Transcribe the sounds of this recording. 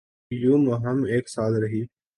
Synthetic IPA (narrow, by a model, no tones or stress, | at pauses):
juːməɦəmeːksaːlɾəɦiː